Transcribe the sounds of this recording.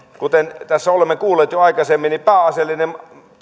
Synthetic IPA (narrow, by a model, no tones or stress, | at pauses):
kut̪ent̪æsːæolemːekuːlˑeːt̪joɑˑikɑsemːinipæːɑselːinem